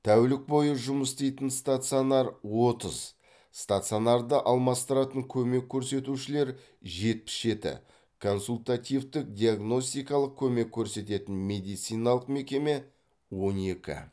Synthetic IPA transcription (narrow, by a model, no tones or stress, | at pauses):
t̪ʰæwlɪk̚bo̞jəʒʊməst̪ejt̪ənst̪at̪sɨonɑɾwo̞t̪əz | st̪at̪sɨio̞nɑɾd̪əʔɑlˠmɑst̪əɾɑt̪əŋkʲʰɵme̞kʲʰːɵɾse̞t̪uʃɪle̞ɾ | ʒe̞t̪̚pɪ̥sʒe̞t̪ɪ̰ | kʰo̞nsulʲt̪at̪ʲivd̪ɪk̚d̪ʲijaɡno̞sʲt̪ijkɑlˠəq̚kʲʰɵme̞kʲʰːɵɾse̞t̪e̞t̪ɪnmʲe̞d̪ijt̪sɨjnɑlˠəqme̞kʲe̞me̞ | wo̞ne̞kʲɪ̰